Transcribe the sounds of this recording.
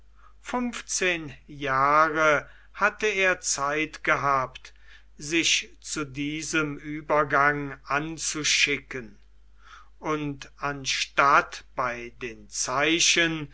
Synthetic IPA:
fʏmft͡seːnjaːʁə | hatəeːɐt͡saɪtɡ̥əɦaːpt | zɪʃt͡sudiːzəmyːbɐɡaŋʔant͡suʃɪkən | ʔʊntanʃtatb̥aɪdeːnt͡saɪʃən

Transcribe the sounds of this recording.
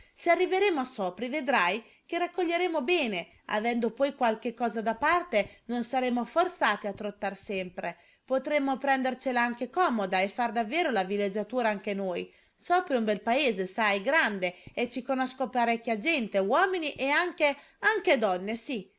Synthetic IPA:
searːiveɾemoasɔːpɾived̪ɾaj | k̟erakːoʎːeɾemobɛːne | a̰vɛnd̪opɔjkwalk̟ekːɔːzad̪apart̪enonsaɾemːofort̪saːt̪iat̪ːɾot̪ːarsɛmpɾe | pot̪ɾemːopɾɛnd̪ert͡ʃelaaŋkekɔːmod̪aefːard̪avːɛːɾolavilːed͡ʒːat̪uːɾaaŋk̟enoj | sɔːpɾiũmbɛlpaeːzesajɡɾand̪eet͡ʃːikonɔskopaɾɛkʲːjad͡ʒɛnt̪ewɔːminiʔeaŋk̟e | aŋked̪ɔnːesi

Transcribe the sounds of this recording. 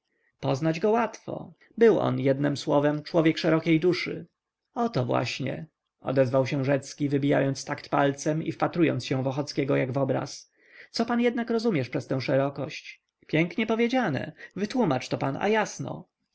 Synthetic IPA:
pɔznad͡ʑɡɔwat̪fɔ̰ | bɘwʔɔ̰njɛd̪nɘmswɔvɛmt͡ʂwɔvʲjɛkʂɛɾɔkʲejd̪uʂɘ̰ | ɔt̪ɔvwa̰ɕɲɛ̰ | ɔ̰d̪ɛzvawɕɛ̃ʐɛt̪skʲivɘbʲija̰jɔnt̪st̪akt̪palt̪sɛmḭfpat̪ɾujɔ̰nt̪sɕɛ̃vɔxɔt̪skʲɛɡɔjaɡvɔbɾa̰s | t̪sɔpanjɛd̪nakɾɔzumʲjɛʂpʂɛst̪ɛ̃w̃ʂɛɾɔkɔɕt͡ɕ | pʲjɛŋkɲɛpɔvʲjed͡ʑanɛ̰vɘt̪wumat͡ʂt̪ɔpana̰jasnɔ̰

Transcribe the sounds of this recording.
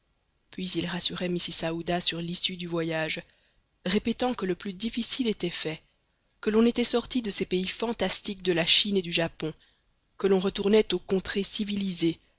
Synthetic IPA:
pɥizilʁasyʁɛmisisaud̪asyʁlisyd̪yvwajaʒ | ʁepet̪ɑ̃kələplyd̪ifisilet̪ɛfɛ | kəlɔ̃net̪ɛsɔʁt̪id̪əsɛpeifɑ̃t̪ast̪ik̚d̪əlaʃined̪yʒapɔ̃ | kəlɔ̃ʁət̪uʁnɛt̪okɔ̃t̪χesivilize

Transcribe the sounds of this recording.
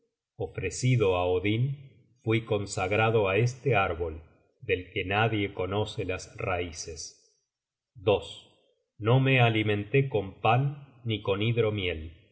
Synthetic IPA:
ofɾesiðo̞aoðin | fwiko̞nsaɣɾaðo̞aest̪eaɾβo̞l | d̪e̞lkenaðjeko̞no̞selasraises | d̪o̞s | no̞mealimẽnt̪eko̞mpanːiko̞niðɾo̞mjel

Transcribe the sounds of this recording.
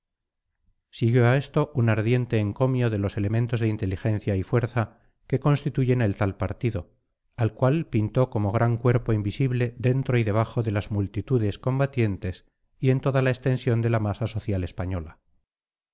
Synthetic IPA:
siɣjo̞ae̞st̪o̞ʔunaɾðje̞nt̪e̞ːŋko̞mjo̞ðe̞lo̞se̞le̞mẽnt̪o̞zðeint̪e̞lixẽ̞nθjaifwe̞ɾθa | ke̞ko̞nst̪it̪uʝe̞ne̞lt̪alpaɾt̪iðo̞ | alkwalpint̪o̞ko̞mo̞ɣ̞ɾaŋkwe̞ɾpo̞imbisiβle̞ðe̞nt̪ɾo̞iðe̞β̞axo̞ðe̞lazmult̪it̪uðe̞sko̞mbat̪je̞nt̪e̞s | ie̞nt̪o̞ðalaekst̪e̞nsjo̞nd̪e̞lamasaso̞θjale̞spaɲo̞la

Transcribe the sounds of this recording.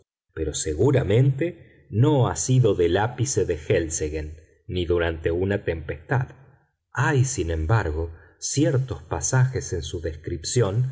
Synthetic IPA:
peɾo̞seɣuɾamẽ̞nt̪e̞ | no̞asiðo̞ðelapise̞ðe̞xelseɣenː | iðuɾant̪e̞unat̪e̞mpest̪að | ajsinẽ̞mbaɾɣo̞ | sjeɾt̪o̞spasaxe̞se̞nsuðe̞skɾipsjo̞n

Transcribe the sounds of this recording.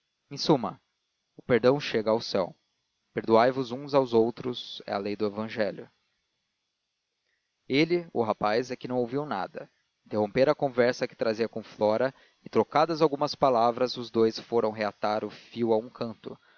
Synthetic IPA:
ẽsũmɐ̰ | ʊpeɾd̪ɐ̃w̃ʃeɡɐawsɛw | peɾd̪uajvʊzũzawzowt̪ɾʊzɛ̰ɐ̰lejd̪ʊevɐ̃ʒɛljʊ | elɪʊɦapajzɛkɪnɐ̃w̃owviwna̰d̪ɐ | ĩnt̪eɦõpeɾɐkõvɛɾsɐkɪ̥t̪ɾaziɐkõflɔɾɐ | ɪt̪ɾokad̪ɐzawɡũmɐspalavɾɐzʊzd̪ojsfoɾɐ̃w̃ɦeat̪aɾʊfiwaũkʰɐ̃nt̪ʊ

